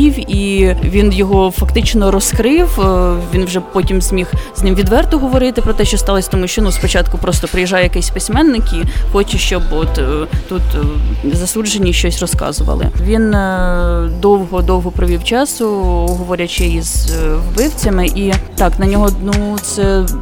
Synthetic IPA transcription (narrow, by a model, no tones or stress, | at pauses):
iwiʋʲinjɔɦɔfɐkt̪ɪt͡ʃnɔɾɔskɾɪwʋʲinwʒɛpɔtʲimzʲmʲixznɪmʋʲid̪ʋɛrt̪ʊɦɔʋɔɾɪt̪ɪpɾɔt̪ɛʃt͡ʃɔst̪ɑlˠɔsʲt̪ɔmuʃt͡ʃɔnuspɔt͡ʃɑt̪kʊpɾɔst̪ɔpɾɪjɛʒɑjɛjɐkɛjsʲpɪsʲmɛnːɪkixɔt͡ʃɛʃt͡ʃɔbɔt̪t̪ut̪zɐsud͡ʒenʲːiʃt͡ʃɔsʲrɔskɑ̰zʊʋɐ̰lˠɪ̰ʋʲin | d̪ɔwɦɔd̪ɔwɦɔpɾɔʋʲiwt͡ʃɑsʊɔɦɔʋɔɾʲɐt͡ʃɪizwbɪwt͡sʲɐmɪʔit̪ɑknɐnʲɔɦɔnut̪sɛ